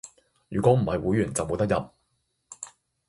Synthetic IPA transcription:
jyː˨˩kɔː˨˥m̩˨˩hɐ˨jwuː˨˥jɥyː˨˩nt͡sɐ˨wmo˨˧wt̪ɐ˥k̚jɐ˨p̚

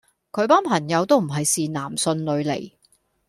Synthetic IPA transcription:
kʰɵ˨˧ɥpaː˥npʰɐ˨˩ŋjɐ˨˧wt̪o˥wm̩˨˩ɦɐ˨jsiː˨naː˨˩msɵ˧nlɵ˨˧ɥlḛ˨˩j

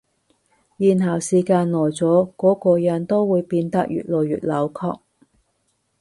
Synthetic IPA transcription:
jiː˨nɦɐ˨˩wsiː˨˩kaː˧nlɔː˨˩jt͡sɔː˨˥kɔː˨˥kɔː˧jɐ˨˥nt̪o˥wwuː˨˧jpiː˧nt̪ɐ˥k̚jy̰ː˨t̚loː˨˩wjy̰ː˨t̚lɐ˨˧˥wkʰɔ̰ː˧k̚

